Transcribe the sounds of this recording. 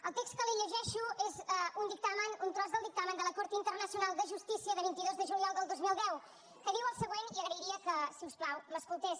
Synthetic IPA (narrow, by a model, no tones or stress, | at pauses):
əlˠt̪ekstkəliʎəʒɛʃuezɛund̪ik̚t̪amənunt̪ɾɔzðəlˠd̪ik̚t̪amənd̪ələkoɾt̪int̪əɾnəsiunalˠd̪əʒust̪isiəðəβint̪iðozðəʒuljɔlˠd̪əlˠd̪ozmilˠd̪ɛw | kəðiwəlˠsəɣweniəɣɾəiɾiəkəsiusplawməskulˠt̪es